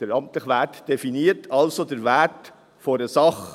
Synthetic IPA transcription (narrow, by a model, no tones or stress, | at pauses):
d̥əɾɑmt̪ləχʋætd̥efiniːəɾtʰɑlsodəɾvæt | foɾəsɑχ